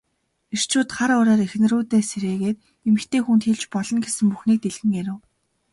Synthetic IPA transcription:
ir̥t͡ɕʰʊːt̪χaɾʊɾæːɾex̆n̆ruːt̪eːseɾeːɣeːt̪̚ | emɘ̆xt̪eːxunt̪xeɮt͡ɕpɔɮɞ̆ŋɡesɘ̆mpuxniːk̚t̪eɮɣɘ̆ŋaɾʊ̆ː

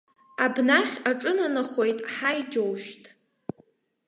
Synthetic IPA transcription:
abnaχʲaʈ͡ʂʼɨnanaχo̞jtʼħajd͡ʒo̞wʃtʼ

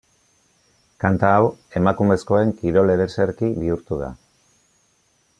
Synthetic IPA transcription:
kant̪aːwe̞makume̞sko̞e̞ŋkiɾo̞le̞ɾeseɾkiβiuɾt̪uð̞a̰

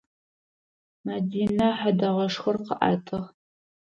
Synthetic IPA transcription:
mɐdiːnɐħadɐʁɐʂxɐrqəʔa̰ːtʰɨʁ

